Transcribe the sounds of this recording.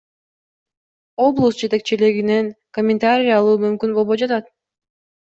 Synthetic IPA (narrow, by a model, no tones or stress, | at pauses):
o̞blˠəsd͡ʒe̞t̪e̞k̚t͡ʃiliɡine̞ŋkomʲɪnt̪aɾʲɪijɑlˠuːmymkynbo̞lˠβo̞jd͡ʒɑt̪ɑt̪̚